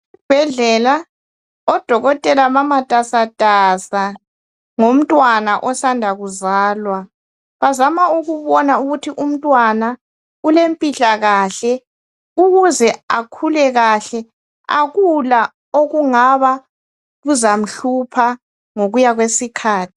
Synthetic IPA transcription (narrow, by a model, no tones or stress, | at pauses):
b̥ʱɛɮɛla | ɔd̥ʱɔɣɔtʼɛlamamatʼasatʼasa | ŋom̩tʼwanaʔɔsandʱaɣuzaːlwa | βazamauɣuβɔnauɣutʰiʔum̩tʼwana | ulempʼiɬaɣaɬɛ | uɣuzɛakʰulɛɣaɬɛ | a̰ɣula | oɣuŋaβa | ɣuzam̩ɬupʰa | ŋoɣujaɣwesikʰaːtʰi̥